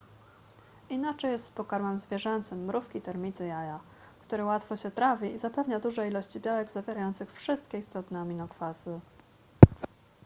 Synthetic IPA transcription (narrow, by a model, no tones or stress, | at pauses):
inat͡ʂɛjɛst̪spɔkaɾmɛmzvʲjɛʐɛnt̪sɘmːɾufkʲit̪ɛɾmʲit̪ɘjaja | kt̪uɾɘwat̪fɔɕɛt̪ɾavʲiizapɛvɲad̪uʐɛilɔɕt͡ɕibʲjawɛɡzavʲjɛɾajɔnt̪sɘxfʂɘst̪kʲɛist̪ɔt̪nɛɔmʲinɔkfazɘ